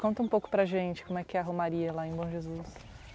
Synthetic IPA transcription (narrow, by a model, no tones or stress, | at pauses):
kõnt̪ɐũpowkʊ̥pɾɐʒẽnt͡ʃɪkõmʊɛkɪɛɐɦomaɾiɐlaẽj̃bõw̃ʒezus